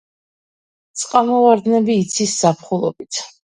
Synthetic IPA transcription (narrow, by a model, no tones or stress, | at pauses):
t̪sʼqʼamɔvaɾd̪nɛbiːt̪sʰisːapʰχulˠɔ̰bit̪ʰ